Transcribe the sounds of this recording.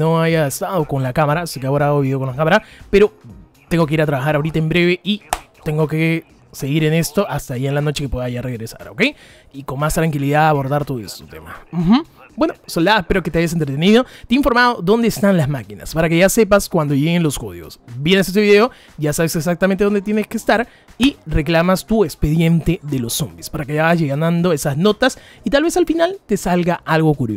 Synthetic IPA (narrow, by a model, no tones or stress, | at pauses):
noajaest̪aðo̞ko̞nlakamaɾasekeaoɾaaaɣoβiðeoko̞nlakamaɾapeɾo̞ | t̪eŋɡoke̞iɾat̪ɾaβaxaɾaoɾit̪aembɾe̞βe̞ʔit̪e̞ŋɡo̞ke | se̞ɣiɾe̞ne̞st̪o̞ʔast̪aːjienlano̞t͡ʃe̞kepweðaʝare̞ɣɾesa̰ɾo̞̰ke̞j | iko̞nmast̪ɾaŋkiliðaðaβo̞ɾðaɾt̪o̞ðoest̪ot̪e̞̰ma̰m̩xm̩ | bwe̞no̞sold̪aðespe̞ɾoket̪eajas̬ent̪ɾet̪̬e̞niðo̞t̪eiɱfo̞ɾmað̞o̞ðo̞nd̪eːst̪anlazmakina̰spaɾake̞ʝase̞paskwand̪o̞ʝeɣenlo̞sko̰ðḭo̰sbje̞ne̞ses̬eiðeo̞ | ɟ͡ʝasaβe̞seks̬ak̚t̪amẽnt̪eond̪et̪jeneskeːst̪aɾ | ire̞klamast̪ue̞kspe̞ðje̞nt̪eðe̞lo̞sombispaɾakeaɣazʝeɣanand̪o̞e̞sazno̞t̪as | it̪alβe̞salfinalt̪e̞salɣaʔalɣo̞kuɾjo